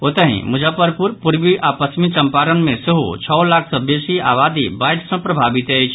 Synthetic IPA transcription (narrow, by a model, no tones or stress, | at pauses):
ot̪əɦḭ̃mud͡ʒʱapəɾpuɾpuɾbiʔapəsmit͡ʃəmpaɾənmẽseɦṵt͡ʃʰɔolakʰsə̃besia̰βad̪ibaʈsə̃pɾəbʱabit̪əjt͡ʃʰ